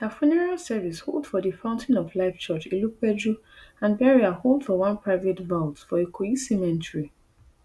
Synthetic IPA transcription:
dafɛnɛɹalsɛvisho̰lˠdfɔðəfãʊ̃ntʰĩnɔvlaɪft͡ʃɜt͡ʃiluk̚bɛdɹu | ãnbɛɹiaholˠdfɔwãnpʰɹaɪvetvaʊtfɔekʰuisɛmɛ̃ntɹi

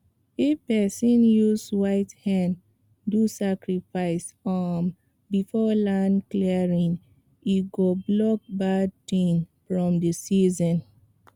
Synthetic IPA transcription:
epɛsɔ̃njuzwaɪthãn | dusakɹifaɪsam | bifɔlãnkliɹĩn | iɡoblɔk̚bad̚tĩnfɹɔ̃mdəsizɔ̃n

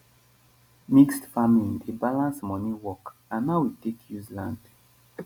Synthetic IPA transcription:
mikstfamlĩndebalãnsmɔniwɔkãnːawitekʰjuzlãnd̥

